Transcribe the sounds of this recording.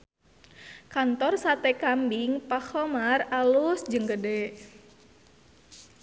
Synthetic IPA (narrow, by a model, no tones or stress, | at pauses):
kant̪ɔrsat̪ɛkambiŋpahɔmaralusd͡ʒɨŋɡədɛʔ